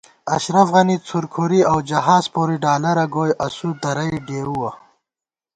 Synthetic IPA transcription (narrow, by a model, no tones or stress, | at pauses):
ɐʃɾɐfɣɐnit͡sʰuɾkʰuɾiawd͡ʒɐɦaːzpoɾiɖaːlɐɾɐɡoːjʔɐsud̪ɐɾɐjɖeːɾuwa